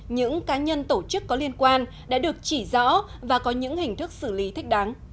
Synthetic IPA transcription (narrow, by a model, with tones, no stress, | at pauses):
ɲɨ̰˧˥ŋkaː˨˦ɲə˧nt̪o˧˩t͡ɕɨ˦˥kːɔ˨˦li˧ənkwaː˧n | ɗa̰ː˧˥ɗɨ˨˩ək̚t͡ɕi˧˩zɔ̰˧˥vaː˨˩kɔ˨˦ɲɨ̰˧˥ŋhï˨˩ŋ̟t̪ʰɨ˦˥k̚sɨ˧˩li˨˦t̪ʰi˦˥k̟̚ɗaː˨˦ŋ